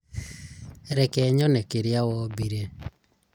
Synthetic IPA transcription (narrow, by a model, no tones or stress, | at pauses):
ɾɛkɛːɲɔnekeɾjawɔbiɾe